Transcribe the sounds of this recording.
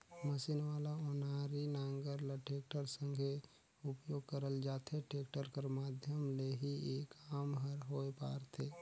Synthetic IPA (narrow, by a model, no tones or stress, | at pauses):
məsinʋaːlaonaːɾinaːŋɡəɾləʈeːk̚ʈəɾsə̃ŋɡʱe | ʊpjoːɡ̚kəɾəld͡ʒaːt̪ʰeʈeːkʈəɾkəɾmaːd̪ʱjəmleɦieːkaːmɦəɾɦoepa̰ːɾt̪ʰeː